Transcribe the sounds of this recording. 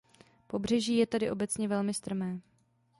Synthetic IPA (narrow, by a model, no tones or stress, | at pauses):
po̞br̝ɛʒiːjɛt̪adɪʔo̞bɛt͡sɲɛvɛlmɪst̪r̩mɛː